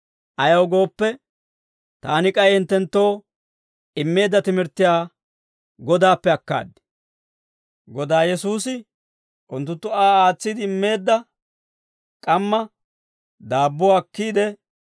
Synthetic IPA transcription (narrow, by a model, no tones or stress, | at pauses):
ʔɐjɐwɡo̞ːpːɛ | t̪aːnɪkʼɐjhɪnt̪ːɛnt̪ːo̞ː | ɪmːe̞ːd̪ːɐt̪ɪmɪɾt̪ːɪjaː | ɡɔd̪aːpːɛɐkːa̰ːd̪ːɪ̥ | ɡɔd̪aːjɛsuːsɪ | ʔʊnt̪ːʊnt̪ːʊaːaːt͡sːɪd̪ɪɪmːe̞ːd̪ːɐ | kʼɐmːɐ | d̪aːbːɔwkːiːd̪ɛ